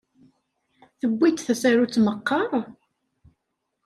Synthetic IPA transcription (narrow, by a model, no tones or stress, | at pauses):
θəbʷːit̪θæsæɾut͡sːməqːɑɾˤ